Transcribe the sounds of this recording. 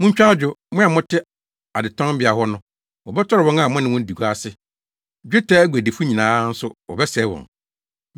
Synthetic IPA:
mʊ̃˦ɲ̩˦t͡ɕᶣa˦d͡ʑᶣʊ˨mʊ̃˦a˨mʊ̃˦tʰɪ˦ | a˨dɪ˨tʰɔ̃˦bɪ˨a˨hɔ˦nʊ̃˦ | wɔ˨bɛ˦tʰɔ˦ɾɪ˨wɔ̃˦na˨mʊ̃˦nɪ̃˦wʊ̃˦n̩˦di˨ɡa˦sɪ˦ | d͡ʑᶣɪ˦tʰɛ˦ɡu˨æ˨de˨fu˦ɲĩ˨nãː˦n̩˦sʊ˦wɔ̰˨bɛ˦sɛ˨˦wɔ̰̃˨ŋ

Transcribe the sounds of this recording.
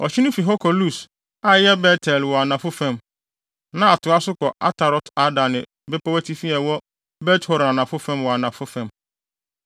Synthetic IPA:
ɔ˨t͡ɕʰɪ˦nʊ̃˦fi˨ɦɔ˦kʰɔ˨lu˦˨s | a˦jɛ˦bɛ˦tʰɛ˨lwɔ˨a˨nã˨fʊ˦fɛ̃˦m | nã˦a˨tʰʊ˨a˦sʊ˦kɔ˨ʔa̰˦tʰa˨ɾɔ˨ta˨˦dã˨nɪ̃˨ | bɛ˦pɔ˦wæ˦tʰi˦fi˦ɛ˨wɔ˦ | bɛ˦thɔ˨ɾa˨nã˨fʊ˦fɛ̃˦mwɔ˨a˨nã˨fʊ˦fɛ̃˨m

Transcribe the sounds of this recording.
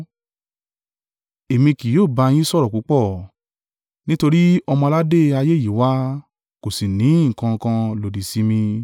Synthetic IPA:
e˨mĩ˧ki˨joː˦˨ba˧j̃ĩ˦sɔ˦ɾɔ˨ku˨˦k͡pɔ˦˨ | nĩ˦to˧ɾi˦ɔ˧mɔ̃˧la˦de˦˨a˧je˦˨ji˨˦wa˦ | ko˨si˨nĩ˨˦˨kã˧kã˧lo˨di˨si˨˦mĩ˧

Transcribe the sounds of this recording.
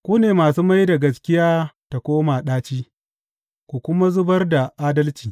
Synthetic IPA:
kʷuː˦neː˨maː˨suː˦ma˦jda˨ɡɐ˨skʲɪ˦jaː˦ta˨kʷoː˦maː˨ɗaː˦t͡ʃiː˦ | kʷu˨kʷʊ˦ma˦zʊ˦bɐ˦rda˨ʔaː˦dɐ˦lt͡ʃiː˨

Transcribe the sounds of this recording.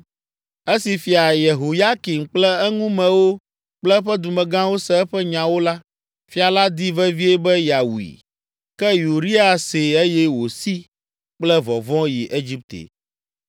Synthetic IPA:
e˦si˨fi˨a˨je˨ɦo˨ja˦ki˨m̩˨k͡plɛ˦ɛ˦ŋũ˦mɛ̃˨wo˦ | k͡plɛ˦ɸɛ˦d̪u˨mɛ̃˨ɡã˦wo˦sɛ˦ɛ˦ɸɛ˦ɲã˨wo˦la˦ | fi˦a˨la˦d̪i˦vɛ˦vi˦e˦bɛ˦ja˨wḭ˨ | kɛ˦ju˨ɾi˦a˨se˨e˦jɛ˦wo˨si˦ | k͡plɛ˦vɔ˨vɔ̃˦ji˨ʔe˦d͡ʑi˦p̚t̪ḛ˨

